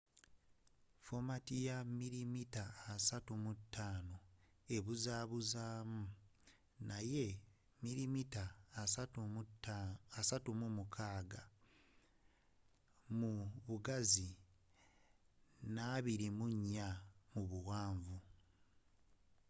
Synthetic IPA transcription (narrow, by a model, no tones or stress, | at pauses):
fo̞matijamiɾimitaːsatumutːaːno̞ | e̞βuzaːβuzaːmu | naje̞ | miɾimitaːat | asatumumukʰaːɡa | muβuɡazi | naβiɾimuɲːamuβuwaːɱvu